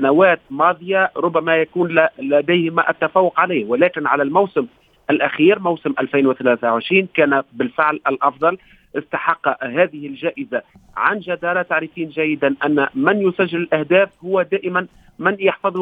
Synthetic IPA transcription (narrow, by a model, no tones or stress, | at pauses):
anawæːt̪̚mɑːðˤɨjaɾˤʊbːamæjakuːnllæd̪æjhɪmæʔa̰t̪ːafɑːwːʊqʕalaːhwɪlæːkɪnʕalælmawsɪm | ʔɪlʔaxiːɾmawsɪmʔælfiːnwɪθalæːθawʕɪʃɾiːnkæːnabɪlfɪʕlɪlʔɑfðˤɑl | ʔɪst̪ɑħɑqːɦæːðɪhɪlʒæːʔɪza | ʕanʒad̪ɑɾˤɑt̪aʕɾɪfiːnʒæjːɪd̪anʔænːmɪnjʊsæʒːɪlɪlʔahd̪æːfhʊwːad̪æːʔɪman | mɪnjɑħfɑðˤ